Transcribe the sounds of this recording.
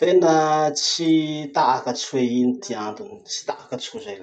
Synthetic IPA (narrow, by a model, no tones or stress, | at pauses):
t̪enət͡sit̪aʔakət͡suweinit̪iand̪uni̥t͡si̥t̪aʔakət͡skuzajla